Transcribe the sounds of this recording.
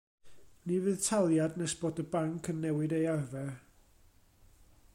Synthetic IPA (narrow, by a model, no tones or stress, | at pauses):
nivɨðtʰalˠjadnɛsb̥oːdəbaŋkʰənːɛwɪdejarvɛ